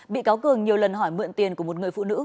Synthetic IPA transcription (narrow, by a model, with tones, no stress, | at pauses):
ɓḭ˧˨kaː˨˦wkɨ˨˩əŋɲi˨˩əwlə˨˩nɦɔ˧˩jmɨ̰˧˨ənt̪i˧ənku˧˩əmo˨˩t̚ŋɨ˨˩əjfṵ˧˨nɨ̰˧˥